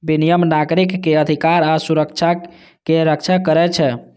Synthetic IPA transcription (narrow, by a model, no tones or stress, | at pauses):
binijəmnaɡɾikːeəd̪ʱikaɾasuɾəkt͡ʃʰa | keɾək̚t͡ʃʰakəɾɛt͡ʃʰɛ